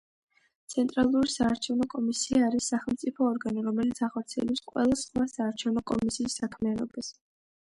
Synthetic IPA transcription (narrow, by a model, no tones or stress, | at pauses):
t̪sʰɛnt̪ʼɾalˠuɾisaːɾt͡ʃʰɛvnɔkʼɔmisiaːɾisːaχɛlˠmt̪sʼipʰɔːɾɡaniɾɔmɛlit̪sʰaχɔɾt̪sʰiɛlɛpsqʼwɛ̰lˠasχwasaːɾt͡ʃʰɛvnɔkʼɔ̰misiːsːakʰmianɔbas